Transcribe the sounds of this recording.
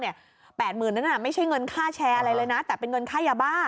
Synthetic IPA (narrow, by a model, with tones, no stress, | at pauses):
ni˥˩ɐ | pɛː˨˩t̪̚mɯː˨˩nːa˦˥nʔa˨˩ma˥˩jʰt͡ɕʰa˥˩jŋɤ˧nkʰaː˥˩t͡ɕʰɛː˧ʔa˧ɾa˧jlɤː˧jna˦˥t̪ɛː˨˩pe˧nŋɤ˧nkʰaː˥˩jaː˧baː˥˩